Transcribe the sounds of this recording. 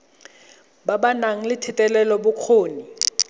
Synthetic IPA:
babanaŋ̩lɪtʰɪtʼɛlɛlɔbʊq͡χʰoːni

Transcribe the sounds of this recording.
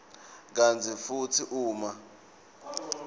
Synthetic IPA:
k̬and͡zʰifutʰiʔuːma

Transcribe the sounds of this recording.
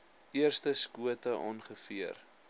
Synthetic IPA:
iərstəskuətəʔɑːnχəfiər

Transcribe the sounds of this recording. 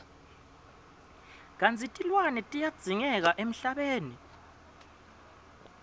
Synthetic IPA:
k̬and͡zʱitʼilwanɛtʼijad̥z̥ʱiŋɛk̬aʔem̩ɬaɓeːni

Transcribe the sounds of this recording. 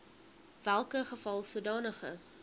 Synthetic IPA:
vælˠkəχəfɐlˠsuədɑːnəχə̰

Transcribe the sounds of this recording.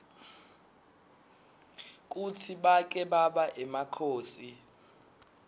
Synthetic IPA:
k̬utʰiɓak̬ʼɛɓaɓaʔɛmakʰoːsi

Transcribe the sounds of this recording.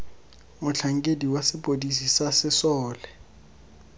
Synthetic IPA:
mʊt͡ɬʰaŋ̩kʼediwasɪpʼodisisasɪsɔːlɛ

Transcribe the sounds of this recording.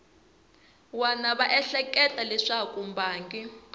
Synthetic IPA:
wanaβaʔɛɬɛkʼɛtʼalɛʂakʼumbaːŋkʼi

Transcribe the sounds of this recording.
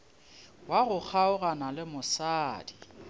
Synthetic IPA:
waɣʊk͡xʰaʊɣanalɪmʊsaːdi

